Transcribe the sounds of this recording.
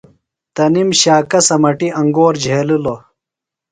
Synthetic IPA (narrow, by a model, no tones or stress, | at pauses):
t̪ɐnimɕaːkɐsɐmɐʈiʔɐŋɡoːɾd͡ʑʱeːlilo